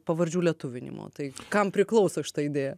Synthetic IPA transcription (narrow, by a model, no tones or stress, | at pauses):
pɐʋɐɾʲd͡ʒʲuːlʲɛt̪ʊʋʲɪnʲɪ̰mo̰ːt̪ɐɪkɐmpʲɾʲɪklˠɐʊsɐʃʲɪ̥t̪ɑːɪd̪ʲeːjɛ